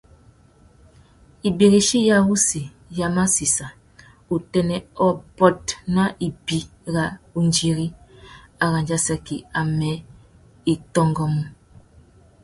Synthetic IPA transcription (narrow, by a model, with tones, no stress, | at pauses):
i˨be˨ɣi˨ʃi˦ja˦wu˦si˨ | ja˦ma˦si˨sa˨ | u˨tɛ˦nɛ˨ɔ˦bɔ˦t̚na˦ʔi˨bi˦ | ɣa˨u˦nd͡ʒi˦ɣi˦a˨ɣa˨nd͡ʒa˦sa˦kḭ˨a˨mɛ˨˦ | i˨tɔ˦ŋɡɔ˦mu˦